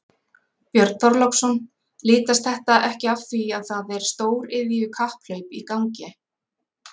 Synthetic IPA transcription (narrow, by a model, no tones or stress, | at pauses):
pjœɾt̪θɔɾlɔwksɔn | liːt̪ast̪θɛht̪aʔɛhcɪafθviaðθaðɛɾ̥st̪oːwɾɪðviʏkʰahpl̥œɥpikawŋcɪ